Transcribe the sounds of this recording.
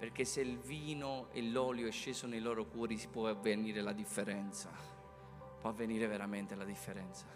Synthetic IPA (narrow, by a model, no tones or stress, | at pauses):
perk̟esːeilviːnoḛlːɔːljoɛʃːeːzonejlɔːɾokwɔːɾisi̥pwɔavːeniːɾelad̪ifːeɾɛnt̪sa | pwɔavːeniːɾeveɾament̪elad̪ifːeɾɛnt̪sḁ